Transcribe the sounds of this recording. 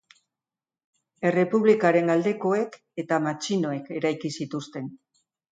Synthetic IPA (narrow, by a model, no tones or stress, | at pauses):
e̞re̞puβlikaɾe̞ŋald̪e̞ko̞e̞k | e̞t̪amat͡ʃino̞e̞ke̞ɾajkisit̪ust̪e̞n